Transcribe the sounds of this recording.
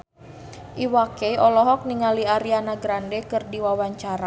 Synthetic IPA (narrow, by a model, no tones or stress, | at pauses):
ʔiwakeiʔɔlɔɦɔk̚niŋaliaɾianaɡɾandɛkɨrdiwawaɲt͡ʃaɾa